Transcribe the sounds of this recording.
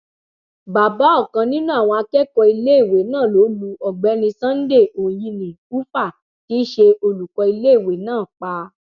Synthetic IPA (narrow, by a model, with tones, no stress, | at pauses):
ba˨ba˨˦ɔ˦˨kã˧nĩ˦nũ˦a˦˨w̃ɔ̃˧a˧kɛ˦kɔ˧i˧le˦i˦˨we˨˦nãː˦˨lo˨˦lu˧ɔ˨ɡ͡bɛ˨˦nĩ˧sã˦n̩˦de˦˨o˨jĩ˧nĩ˨u˦fa˦˨ | ti˨˦ʃe˧o˧lu˨kɔ˧i˧le˦i˦˨we˨nãː˦˨k͡pa˧